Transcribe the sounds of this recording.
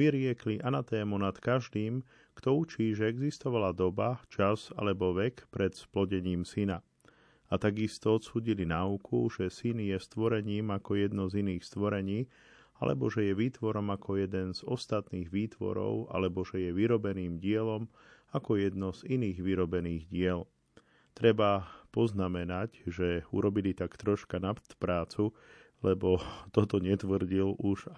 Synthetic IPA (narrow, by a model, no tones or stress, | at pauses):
ʋiɾɪɛkliʔanat̪ɛːmunat̪kaʒd̪iːm | kt̪ɔut͡ʃiːʒɛɛɡzist̪ɔʋalad̪ɔbat͡ʃaza̰lɛbɔʋɛkpɾɛt̪splɔɟɛɲiːmsina | at̪aɡist̪ɔɔt̪suːɟilinaukʰuʒ̥ɛsinjɛst̪ʋɔɾɛɲiːmakɔjɛd̪nɔziniːxst̪ʋɔɾɛɲiː | a̰lɛ̰bɔʒɛjɛʋiːt̪ʋɔɾɔmakɔjɛd̪ɛnz̥ɔst̪at̪niːɣʋiːt̪ʋɔ̰ɾɔ̰ʊa̰lɛbɔʒɛjɛʋiɾɔbɛniːmɟɪɛlɔm | akɔjɛd̪nɔziniːɣʋiɾɔbɛniːɣɟɪɛl | t̪ɾɛbapɔznamɛnacʒɛuɾɔbilit̪akt̪ɾɔʃkanapt̪pɾaːt͡su | lɛbɔt̪ɔt̪ɔɲɛt̪ʋr̩ɟiluʒ